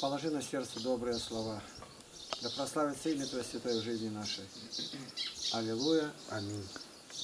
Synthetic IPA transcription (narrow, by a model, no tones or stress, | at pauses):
pɐlˠɐʐɨnɐsʲert̪səd̪obɾɨjəslˠɐva | d̪ɐpɾɐslˠavʲɪt̪sɐimʲɪt̪vəsʲvʲɪt̪ɔjʐɨzʲnʲɪnaʂəj | ɐlʲɪlˠujəɐmʲinʲ